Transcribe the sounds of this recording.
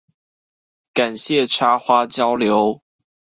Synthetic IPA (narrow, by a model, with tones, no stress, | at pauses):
ka˨˩nɕjɛ˥˨˩ʈ͡ʂʰa˥xwa˥t͡ɕjɑ˥ʊljo˨˦ʊ